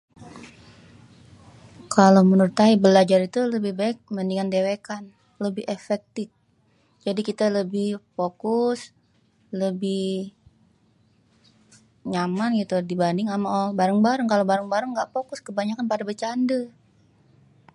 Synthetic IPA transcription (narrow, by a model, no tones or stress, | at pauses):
kʰalomənərt̪aibəlad͡ʒaɾit̪uləbɪhbaɪk̚məndiŋandewekan | ləbɪhefɛk̚t̪ɪf̚ | d͡ʒadikit̪aləbɪhfokʊs | ləbɪh | ɲamanɡit̪udibandɪŋamaʔbaɾəŋbaɾəŋkalobaɾəŋbaɾəŋɡaʔfokʊskəbaɲakanpadabət͡ʃandə